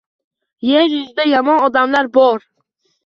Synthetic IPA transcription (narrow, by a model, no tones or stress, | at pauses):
jeɾjʊzd̪ajɒmɒnɒd̪amlaɾbɒɾ